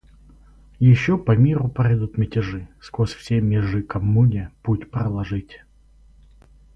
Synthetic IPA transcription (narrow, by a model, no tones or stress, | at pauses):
jɪɕːopɐmʲiɾʊpɐjd̪ut̪mʲɪtʲɪʐɨskosʲfsʲemʲɪʐɨkɐmːunʲɪputʲpɾəlˠɐʐɨtʲ